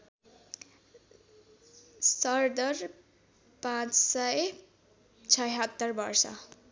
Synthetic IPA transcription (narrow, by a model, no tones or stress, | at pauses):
sʌrd̪ʌr | pãt͡ssʌj | t͡sʰʌjɦʌt̪ːʌrbʌrsʌ̰